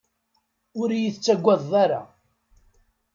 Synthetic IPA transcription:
ʊɾjiθt͡sːæɡʷːɑðˤaɾa̰

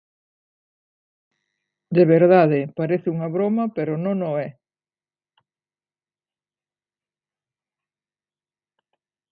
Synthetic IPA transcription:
d̪eβeɾðaðɪpaɾeθɪuŋɐβɾomɐpeɾonõŋnoɛ

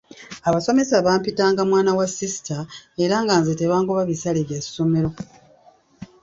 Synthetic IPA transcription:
aβaso̞me̞saβaːmpitaːŋɡamwaːnawasisi̥tae̞ɾaːŋɡaːnzete̞βaːŋkoβaβisaleβjasːome̞ɾo̞

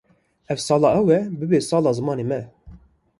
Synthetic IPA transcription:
ɛvsɑːlɑːʔɛwɛbɨbeːsɑːlɑːzɨmɑːnemɛ

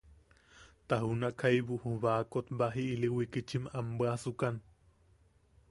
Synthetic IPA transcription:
t̪aɦunaʔkʰajβuhuβakot̪baɦiʔːliwikit͡ʃimambəasukan

